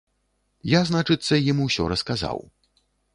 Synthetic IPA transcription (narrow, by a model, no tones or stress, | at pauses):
jaznat͡ʂɨt̪sːɐjimusʲɔ̰ɾɐskaza̰w